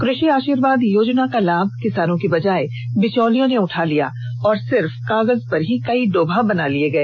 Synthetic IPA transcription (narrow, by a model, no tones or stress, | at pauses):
kɾʊʃiaːʃiːɾʋaːd̪joːd͡ʒnakalaːb̚ʱkɪsaːnõkibɐd͡ʒaːe | bɪt͡ʃɔːlijõneʊʈʰalija̰ː | ɔːɾsɪɾfkaːɣəzpɐɾɦikɐiɖoːbʱabɐnalieɡɐeː